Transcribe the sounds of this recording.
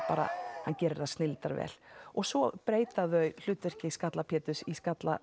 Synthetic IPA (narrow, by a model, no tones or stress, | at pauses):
paːɾa̰hancɛːɾɪðastnɪlt̪a̰ɾvɛ̰ːl̥ɔɣsvɔpɾeːjt̪aðœɥl̥ʏːt̪vɛr̥cɪskat̪lapʰɛːt̪ʏsiskat̪la̰